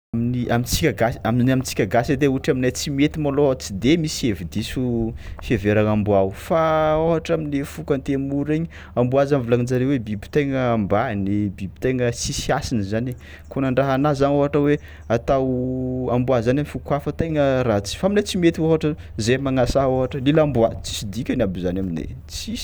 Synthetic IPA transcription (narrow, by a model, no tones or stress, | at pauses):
aminiʔamint͡sikʲaɡasaminamint͡si̥kʲaɡased̪euʈ͡ʂaminajt͡simet̪imolot͡sid̪emisevid̪isufeveɾaŋambuawfaoɦaʈ͡ʂaminefukant̪emuɾeɲi | ambuazanvulaŋid͡zaɾewebibi̥t̪eŋəːmbanebibi̥t̪eŋəsisiasinizane | konaɳɖ͡ʐaɦanazanoɦaʈ͡ʂəwe | at̪awambuazanamifukwafət̪ejŋəɾat͡si̥faminat͡simet̪ioɦaʈ͡ʂə | zemaŋasaoɦaʈ͡ʂəlelambuat͡si̥sid̪ikʲanabizanaminḛ | t͡si̥